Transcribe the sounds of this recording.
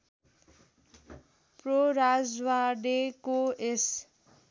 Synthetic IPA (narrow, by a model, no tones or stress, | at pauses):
proɾad͡zwaɖekoes